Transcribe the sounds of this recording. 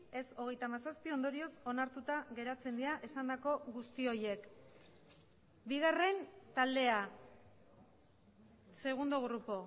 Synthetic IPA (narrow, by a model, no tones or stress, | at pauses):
e̞so̞ɣe̞jt̪amasaspio̞nd̪o̞ɾio̞so̞naɾt̪ut̪aɣe̞ɾat͡se̞nd̪iaʔesand̪ako̞ɣust̪io̞je̞k | biɣ̞are̞nt̪ald̪e̞a | se̞ɣ̞und̪o̞ɣɾupo̞